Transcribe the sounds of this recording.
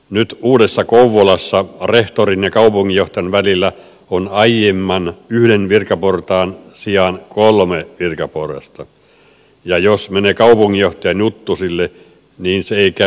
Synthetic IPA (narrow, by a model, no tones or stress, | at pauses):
nyt̪uːdesːɑkouʋːolɑsːɑreht̪orinjɑkɑupuŋːijoht̪ɑjɑnʋælilːæ | onɑjemːɑnyhdenʋirkɑport̪ɑːnsiɑnkolmeʋirkɑporɑ̰st̪ɑ | jɑjosmeneːkɑupuŋːijjoht̪ɑjɑnjut̪ːusilːe | niːnseeikæ